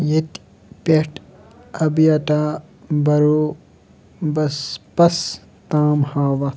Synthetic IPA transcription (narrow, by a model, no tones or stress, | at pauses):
jet̪ | peʈ | ɐbjaʈaː | bɐɾo | bɐspɐs | t̪aːmhaːʋɐ